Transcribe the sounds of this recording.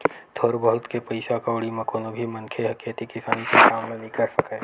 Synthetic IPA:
t̪ʰoːɾbəɦʊt̪kepɐɪsakaʊɽimɐ̃koːnobʱimɐ̃nkʰeɦɐket̪ikɪsaːnikesaːmlenĩkɐɾsəkɛː

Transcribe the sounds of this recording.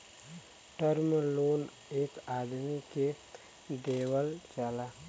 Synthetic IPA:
ʈəɾmloːn | eːkaːd̪mike | ɖeːwəlt͡ʃalaː

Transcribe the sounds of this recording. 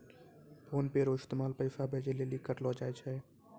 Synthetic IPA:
pʰoːnpeɾoːɪst̪emaːlpəɪsabʱeːd͡ʒelelikːəɾlɔd͡ʒaːjt͡ʃʰɛː

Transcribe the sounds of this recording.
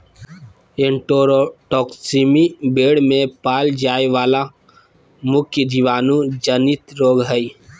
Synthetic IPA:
ẽɳʈoːɾoʈɔːksimibeːɽmẽpaːld͡ʒaːeʋaːla | mʊkʰjəd͡ʒiʋaːnũd͡ʒənit̪ɾoːɡɦəi

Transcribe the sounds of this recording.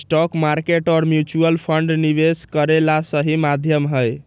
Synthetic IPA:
sʈɔkmaɾkeʈɔːɾmjut͡ʃuəlpʰəɳɖniβeskəɾelasəɦimad̪ʱjəmɦəj

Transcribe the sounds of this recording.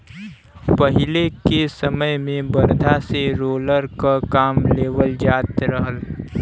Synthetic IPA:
pəɦɪlekesəməjmẽbəɾd̪ʱaseɾoːləɾkakaːmleːʋəld͡ʒaːt̪ɾəɦəl

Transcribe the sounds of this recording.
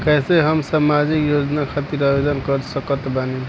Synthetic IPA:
kɛseɦəmsamad͡ʒikjod͡ʒnakʰat̪iɾabed̪ənkəɾsəkət̪banin

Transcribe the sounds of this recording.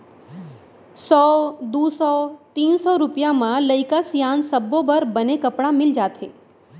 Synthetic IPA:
sɔd̪usɔt̪iːnsɔɾupjamãləjkasjansəbːobəɾbənekəpɽamɪld͡ʒat̪ʰḛ

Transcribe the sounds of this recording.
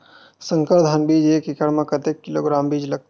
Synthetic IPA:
sə̃ŋkəɾd̪ʱənbiːd͡ʒeːkikəɽmẽkɐt̪ekːiloːɡɾaːmbiːd͡ʒlɐɡ̚t̪

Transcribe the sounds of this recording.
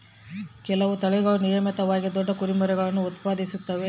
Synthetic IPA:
kɛlɐʋut̪ɐɭɛɡɐɭunijɐmɐt̪ɐʋaːɡid̪ɔɖːɐkuɾimɐɾɛɡɐɭɐnːuːt̪paːd̪isut̪ːɐʋe̞

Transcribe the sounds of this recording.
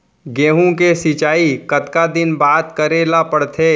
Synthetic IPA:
ɡẽːɦũkesɪt͡ʃaːikɐt̪kad̪ɪnbaːt̪kəɾeːlapəɽt̪ʰeː

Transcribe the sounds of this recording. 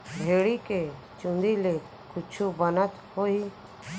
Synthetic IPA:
bʱeːɽike | t͡ʃʊ̃nd̪ile | kʊt͡ʃʰubənət̪hoiː

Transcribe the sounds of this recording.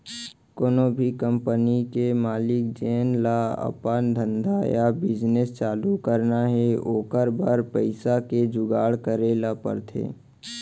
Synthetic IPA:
koːnobʱikəmpənikemaːlɪkd͡ʒeːnlaə̰paːnd̪ʱə̃nd̪ajabɪd͡ʒnest͡ʃaːlukəɾnaɦɛoːkəɾbaːɾpəɪsaked͡ʒʊɡaːɽkəɾeːlapə̰ɾt̪ʰḛː

